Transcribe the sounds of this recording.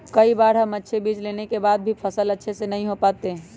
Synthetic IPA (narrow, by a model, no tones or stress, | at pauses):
kəibaɾɦəmətːʃʰebid͡ʒlenekebaːd̪̚bʱipʰəsələtːʃʰesenəɦĩɦopaːt̪eɦ